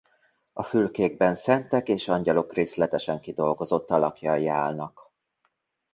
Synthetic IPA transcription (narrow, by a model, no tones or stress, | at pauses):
ɒfylkeːɡ̚bɛnsɛnt̪ɛkeːʃɒɲɟɒlo̞kreːslɛt̪ɛʃɛŋkid̪o̞lɡo̞zo̞t̪ːɒlɒkjɒjːaːlnɒk